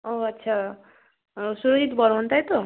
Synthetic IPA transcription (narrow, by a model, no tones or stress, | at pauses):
oʌtːsʰa | suɾoɦit̪bʌɾɦũnt̪ajt̪o